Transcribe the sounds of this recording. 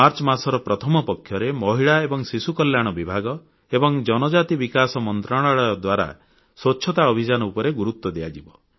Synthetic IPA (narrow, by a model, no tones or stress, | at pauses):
aɾt͡ʃɔmasɔɾɔpɾɔt̪ʰɔmɔpɔkʰːjɔɾemɔɦiɭaebɔŋsisukɔljaɽ̃ɔbibʱaɡɔ | ebɔŋd͡ʒɔnɔd͡ʒat̪ibikasɔmɔnt̪ɾaɽ̃aɭɔɔd̪waɾa̰ | swɔːt͡ʃʰɔt̪aɔbʱid͡ʒanɔupɔɾeɡuɾut̪wɔd̪ead͡ʒibɔ